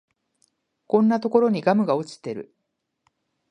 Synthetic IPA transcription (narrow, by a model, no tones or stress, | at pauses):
kõ̞nːat̪o̞ko̞ɾo̞ɲ̟iɡamɯ̟ɡao̞t͡ɕi̥t̪ːe̞ɾɯ̟̰